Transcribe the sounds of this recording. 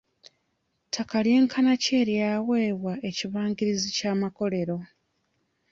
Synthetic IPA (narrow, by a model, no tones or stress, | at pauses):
tʰakalje̞ːŋkʰanace̞ːɾjaːwe̞ːβwaʔe̞ciβaːŋɡiɾizicaːmako̞le̞ɾo̞